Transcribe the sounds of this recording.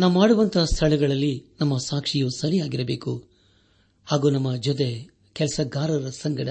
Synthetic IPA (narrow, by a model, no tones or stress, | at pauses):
naːʋumaːɽuʋɐnt̪ʰɐːst̪ʰɐɭɛɡɐɭɐlːinɐmːɐsaːkʂijusɐɾijaːɡiɾɐbḛːku | haːɡuːnɐmːɐd͡ʒɔt̪̬e | kɛlɐsɐɡaːɾɐɾɐsɐŋɡɐɽɐ